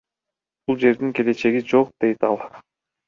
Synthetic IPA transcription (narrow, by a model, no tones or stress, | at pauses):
b̥ulˠd͡ʒe̞ɾd̪iŋke̞le̞t͡ʃe̞ɡid͡ʒo̞q̚d̪̥e̞jt̪ɑlˠ